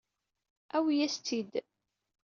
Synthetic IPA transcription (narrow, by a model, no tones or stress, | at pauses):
æwijæst͡s̪ːid̪